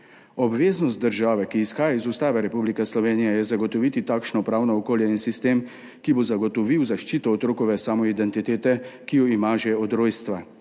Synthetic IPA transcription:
ɔbʋeːznɔst̪̚d̪əɾʒaːʋɛkiːsxaːjaizust̪aːʋɛɾɛpublikɛslɔʋeːnijɛjɛzaɡɔt̪ɔʋit̪it̪aːkʃnɔpɾaːwnɔːkoːljɛinsist̪eːm | kibozaɡɔt̪ɔʋiwzaʃt͡ʃiːt̪ɔːt̪ɾoːkɔʋɛsamɔid̪ɛnt̪it̪eːt̪ɛkijɔimaʒɛɔd̪ɾoːjst̪ʋa

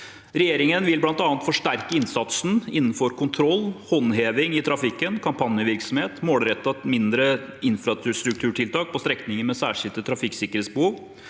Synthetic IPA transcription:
ɾɛjeːɾɪŋənʋɪlblɑnt̪ɑːnət̪fɔʂʈæɾkəɪnsɑt̪sn̩ɪnːn̩fɔɾkʰʊnt̪ʰɾɔlːhɔnheːʋɪŋɪt̪ʰɾɑfɪkːənkʰɑmpʰɑnjəʋɪɾksɔmheːt̪moːɽɾɛt̪ːɑmɪnd̪ɾəɪnfɾɑt̪ʉst̪ɾʉk̚t̪ʰʉːʈʰɪlt̪ɑːk̚pʰɔst̪ɾɛknɪŋəmɛsæːʂɪlt̪ət̪ʰɾɑfɪksɪkəɾheːt̪sbəhuːʋ

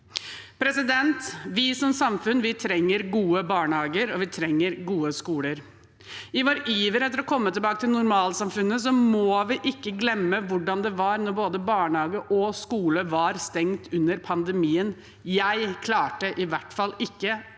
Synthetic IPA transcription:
pʰɾɛsɪd̪ɛnt̪ʋɪsɔmsɑmfʉnʋɪt̪ʰɾɛŋːəɾɡuːəbɑːɳhɑːɡəɾɔʋɪt̪ʰɾɛŋːəɾɡuːəskuːləɾ | ɪʋoːɾəʔyjiːʋəɾɛt̪ːəɾɔkʰɔmːət̪ʰɪlbɑːkət̪ʰɪlnʊɾmɑːləsɑmfʉnːəsɔmɔːʋɪʔɪkːəɡlɛmːəʋʊɖɑnd̪ɛʋɑɾnɔɾboːd̪əbɑːɳhɑːɡəʔɔskuːləʋɑɾst̪ɛŋt̪ʰʉnːəɾpʰɑnd̪əmiːən | jæɪkʰlɑːʈəʔɪʋæʈfɑlɪkːə

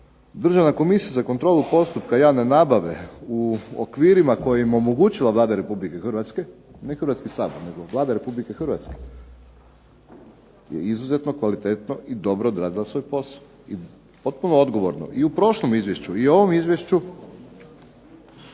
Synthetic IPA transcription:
d̪r̩ʒaʋnako̞misijazakont̪ɾo̞ːlˠupo̞st̪upkajaːnenabaʋḛuo̰kʋiːɾimako̞jaimo̞moɡut͡ɕilaʋlˠaːd̪aɾe̞publike̞xrʋat̪ske̞nexrɾʋat̪skisaːboɾne̞ɡo̞ʋlˠaːd̪aɾe̞publike̞xr̩ʋat̪ske̥ | jḛizuze̞t̪no̞kʋalit̪et̪no̞ʔid̪o̞bɾoːd̪ɾaːd̪ilasʋo̞jpo̞sao | i | po̞t̪̚punood̪ɡo̞ʋoɾno̞̰ʔiupɾo̞ʃlˠomizʋje̞ʃt͡ɕuio̞ʋo̞mizʋjeʃt͡ʃu

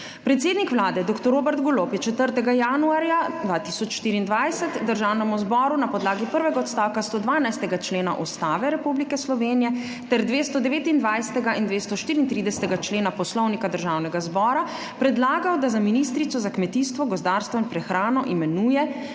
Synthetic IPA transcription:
pɾɛt̪seːd̪nikʋlaːd̪ɛd̪okt̪ɔɾoːbɛɾt̪ɡɔlopjɛt͡ʃɛt̪əɾt̪ɛɡajanuaɾjad̪ʋat̪isɔt͡ʃʃːt̪iːɾiːnd̪ʋajsɛt̪d̪əɾʒawnɛmuzbɔːɾunapɔd̪laːɡipəɾʋɛɡaɔt̪st̪aːwkast̪oːd̪ʋaːnajst̪ɛɡat͡ʃleːna̰ʔust̪aːʋɛɾɛpublikɛslɔʋeːnijɛ | t̪ɛɾd̪ʋeːst̪ɔd̪ɛʋeːt̪ind̪ʋajsɛ̥t̪ɛɡaʔind̪ʋest̪ɔʃt̪iːɾiːnt̪ɾiːd̪ɛsɛ̥t̪ɛɡat͡ʃleːnapɔslɔwnikad̪əɾʒawnɛɡazbɔːɾa | pɾɛd̪laːɡawd̪azaminiːst̪ɾit̪sɔzakmɛt̪ist̪ʋɔɡɔzd̪aːɾst̪ʋɔinpɾɛxɾaːnɔʔimɛnuːjɛ

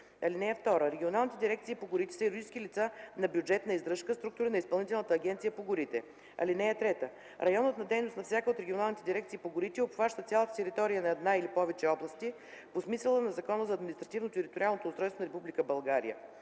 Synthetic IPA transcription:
ɐlinɛɛft̪ɔɾəɾɛɡʲionalˠnit̪ɛd̪iɾɛk̚t̪sipoɡʊɾit̪ɛ̥səiɾʊɾɡit͡ʃskʲilit̪sanɐbjʊd͡ʒɛt̪nɐizd̪ɾɤʃkəst̪ɾuk̚t̪uɾinɐispɐlˠnit̪ɛlˠnət̪əːɡʲɛnt̪sijəpoɡʊɾit̪ɛ | ɐ̰linɛɛt̪ɾɛt̪ə | ɾɐjɔnət̪nɐd̪ɛjnʊstnɐfsʲjakəot̪ɾɛɡʲionalˠnit̪ɛd̪ʲiɾɛk̚t̪siːpoɡʊɾit̪ɛopxvaʃt̪ət̪sʲalˠət̪ə̥t̪ɛɾit̪ɔɾijənɐɛd̪nailipɔvɛt͡ʃɛɔblˠəst̪i | posmisəlˠənɐzɐkɔnəzɐːd̪minist̪ɾɐt̪ivnot̪ɛɾit̪ʊɾialˠnot̪oːst̪ɾɔjst̪vonɐɾɛpublikəbɐlˠɡaɾḭjə̰

